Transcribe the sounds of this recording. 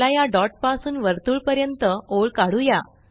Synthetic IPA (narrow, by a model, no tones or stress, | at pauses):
ajaɖɔʈ̚pasuːnʋəɾt̪uːɭpəɾjənt̪əoɭkaɽuja